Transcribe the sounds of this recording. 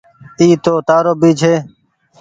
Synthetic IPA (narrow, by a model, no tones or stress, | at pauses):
iːt̪oːt̪aːɾoːbiːt͡ʃʰeː